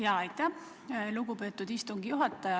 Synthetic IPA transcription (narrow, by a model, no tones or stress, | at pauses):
jɑːɑjt̪ːˑæ | luɡupe̞ːt̪ːˑud̪̥ist̪uŋɡ̥ijuɦɑt̪ːˑɑjɑ